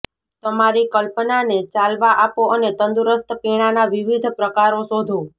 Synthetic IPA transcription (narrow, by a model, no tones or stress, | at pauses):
t̪əmaɾikəlpnanet͡ʃalʋaʔapoʔənet̪ənd̪uɾəst̪peɽ̃anaʋiʋid̪ʱpɾəkaɾosod̪ʱo